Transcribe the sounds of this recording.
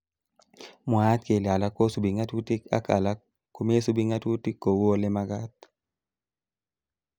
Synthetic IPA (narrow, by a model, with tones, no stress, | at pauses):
mʊ˨a˦t̪̚ke˨la˨la˦ko˦su˨bi˨ŋa˦tu˦ti˦ka̰˦ka̰˨la˦ | ko˦m˦e˦su˦bi˦ŋa˦tu˦ti˦kːo˨wo˦lɪ˦ma˦ɡa˦t̪̚